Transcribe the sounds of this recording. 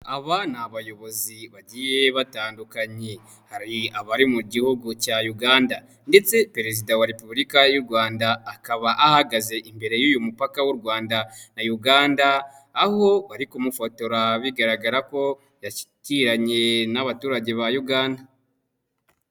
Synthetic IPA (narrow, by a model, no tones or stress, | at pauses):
aβanaβajo̞βo̞ziβaɟijeβataːndukaɲe̞ | haɾiaβaɾimuɟihuɡucajuɡaːnda | nde̞t͡se̞pe̞ɾe̞zidawaɾe̞puβlikajuɾɡwaːndaːkaβaʔahaɡaze̞ʔimbe̞ɾe̞juːjumupakawuɾɡwaːndanajuɡaːndaː | ho̞βaɾikumufoto̞ɾaβiɡaɾaɡaɾako̞ | jaʃi̥ciɾaɲe̞naβatuːɾaɟe̞βajuɡaːnda